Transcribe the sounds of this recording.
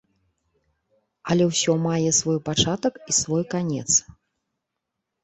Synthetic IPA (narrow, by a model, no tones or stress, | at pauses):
ɐlʲɛwsʲɔmajɛsvɔjpat͡ʂat̪ɐkisvɔjkanʲɛ̰t̪s